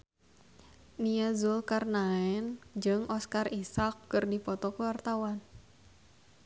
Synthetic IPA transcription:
niazulkarnaɛnd͡ʒɨŋʔɔskarisakːɨrdipɔt̪ɔkuwart̪awan

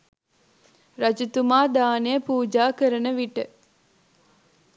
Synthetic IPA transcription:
ɾɐd͡ʒut̪umaːd̪aːnejəpuːd͡ʒaːkəɾənəʋiʈə

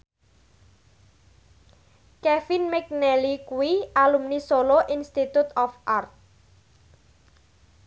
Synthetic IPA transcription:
kɛfinmɛk̚nɛlikuwiʔalumnisoloʔinst̪it̪ut̪ɔfʔart̪̚

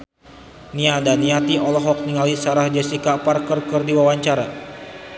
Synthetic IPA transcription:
niadaniat̪iʔɔlɔɦɔk̚niŋalisaɾahd͡ʒɛsikaparkərkərdiwawaɲt͡ʃaɾa

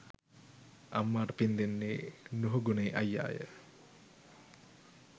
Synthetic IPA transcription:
amːaːʈəpind̪enːeːnuɦuɡuneːʔajːa̰ːjə̰

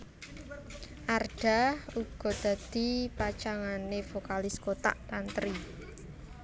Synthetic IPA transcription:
ʔarɖ̥a̤huɡ̥ɔ̤d̪̥ä̤d̪̥i̤pat͡ʃaŋanefokalɪskot̪a̰ʔt̪ant̪ɾi

